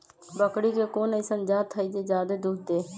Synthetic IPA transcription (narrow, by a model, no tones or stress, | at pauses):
bəkɽikekoːnəɪsənd͡ʒaːt̪ʰːəid͡ʒed͡ʒaːd̪ed̪uɡ̚t̪eː